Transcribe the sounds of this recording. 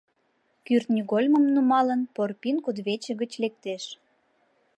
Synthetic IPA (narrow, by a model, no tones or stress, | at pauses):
kyrt̪nʲiɣolʲməmnumɑlənporpinkud̪βet͡ɕə̆ɣət͡ɕlek̚t̪eʃ